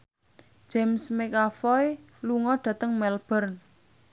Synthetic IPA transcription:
d͡ʒ̥ɛmsmekafɔj | luŋɔɖ̥ä̤t̪əŋmɛlb̥ərn

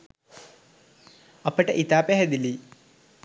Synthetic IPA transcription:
ɐpːɐʈːeʔit̪aːpeɦed̪ili

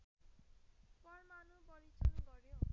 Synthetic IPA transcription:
pʌrmanubʌɾit͡sunɡʌɾjo

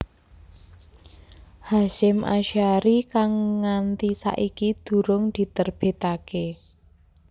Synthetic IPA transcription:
haʃɪmʔa̰ʃaɾikaŋːant̪isa̰ʔikid̪̥ṳɾʊŋd̪̥i̤t̪ərb̥e̤t̪ake

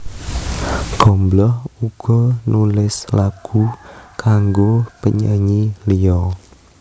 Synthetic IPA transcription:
ɡ̥ɔ̤mblɔhuɡ̥ɔnulɪslaɡ̥ukaŋɡopəɲəŋilijɔ

